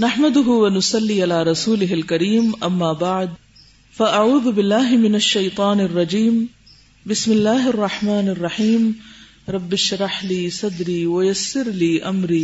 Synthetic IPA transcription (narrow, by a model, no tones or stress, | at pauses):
naħmad̪ʊɦʊwanʊsˤɑlːiːʔalaːɾˤɑsuːlɪɦalkaɾiːmʔamːaːbaʕd̪ | faʔaʕuːðʊbɪlːaːɦɪmɪnaʃːajt̪ˤɑːnɑrˤːɑd͡ʒiːm | bɪsmɪlːaːɦʔɑrˤːɑħmaːnɑrˤːɑħiːm | ɾˤɑbːɪʃɾˤɑħliːsˤɑd̪ɾiːwajasːɪɾliːʔamɾiː